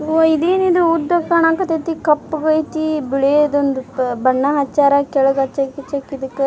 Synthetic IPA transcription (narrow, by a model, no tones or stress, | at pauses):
id̪eːnid̪uud̪ɐkɐɳaːkɐt̪et̪ikɐpːuɡɐjt̪ibiɭed̪ond̪ubɐɳːɐɦɐt͡ʃːaːɾɐkɛɭuɡɐt͡ʃːɐkːit͡ʃɐkːid̪ɐkːe